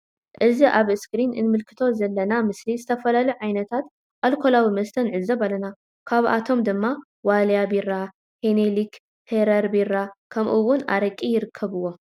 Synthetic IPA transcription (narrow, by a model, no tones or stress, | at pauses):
ʔɨziʔaβɨskɾinʔɨ̰nmɨlkʰɨ̥t̪ʰo̞zɐlːɐnamɨslizɨt̪ʰɐfɐlaluʕajnɐt̪ʰat̪ | ʔalkʰo̞lawimɐst̪ʰɐnʕɨzɐβalɐna | kʰaβʔa̰t̪ʰo̞md̪ɨmːa | waljabiɾa | henelik | h̪ʰeɾɐɾbiɾakʰɐmʔɨwːʊna̰ɾɐkʼːijɪɾɨkʰːɐβɨwːo̞